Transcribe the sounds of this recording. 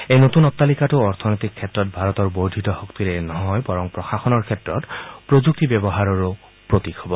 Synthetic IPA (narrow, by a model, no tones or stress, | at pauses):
ejnotunɔt̪ːalikatʊɔɹt̪ʰɔnojt̪ikʰːɛtɹɔt̚bʱaɹɔt̪ɔɹboɹdʱitɔhokt̪iɹenɔɦɔjbɔɹɔŋpɹɔxaxɔnɔɹkʰɛtɹɔtpɹod͡ʒuk̚tibjɛbɔɦaɹɔɹo | pɹot̪ikɦɔbɔ